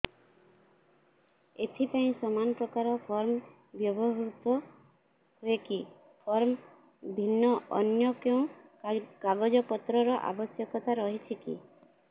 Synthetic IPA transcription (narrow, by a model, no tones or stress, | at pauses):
et̪ʰipaĩsɔmanɔpɾɔkaɾɔpʰɔɾm | bjɔbɔɦut̪ɔ | ɦoeki | pʰɔɾm | bʱinːɔɔ̰njɔkeũ | kaɡɔd͡ʒɔpɔt̪ɾɔɾɔʔa̰bɔsjɔkɔt̪aɾɔɦit͡ʃʰikḭ